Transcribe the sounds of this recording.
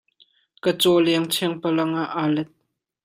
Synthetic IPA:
kət͡sɔːlɛəŋt͡sʰɛŋpɐlɐŋaʔalɛt̪̚

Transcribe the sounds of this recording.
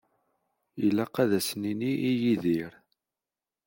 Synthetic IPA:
jəlːæqæðæsniniʔijiðiɾ

